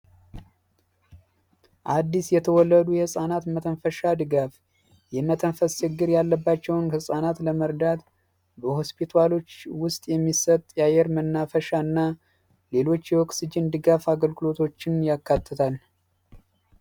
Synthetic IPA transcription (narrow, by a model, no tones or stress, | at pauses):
ʔad̪ːisjɛt̪ʰəwɔlːəd̪ujɛsʼanat̪mət̪ʰəɱfəʃad̪ɨɡaf | jɛmət̪ʰəɱfəst͡ʃɨɡːɨɾjalːəbːat͡ʃːɛwnkʰəsʼanat̪ləməɾd̪at̪ | bəho̞spʰit̪ʰalo̞t͡ʃːwʊst̪ʼjɛmːisət̪ʼːjajɛɾmənːafəʃaɨnːa | le̞lo̞t͡ʃːjɛwɔksɨd͡ʒɪnd̪ɨɡafaɡəlɡɨlo̞t̪ʰo̞t͡ʃːɪnjakːat̪ʰːət̪ʰal